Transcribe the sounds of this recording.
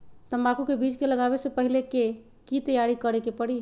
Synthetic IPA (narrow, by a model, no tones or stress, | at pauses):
t̪əmakukebʱid͡ʒkeləɡabesə̃pəɦileke | kit̪əjaɾikəɾekepəɽi